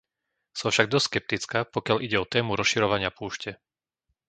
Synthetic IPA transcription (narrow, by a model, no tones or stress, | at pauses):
sɔ̃fʃaɡ̚d̪ɔstskɛp̚t̪it͡skaːpɔkɪaʎʔiɟɛɔt̪ɛːmuɾɔsʃiɾɔʋaɲɪapuːʃcɛ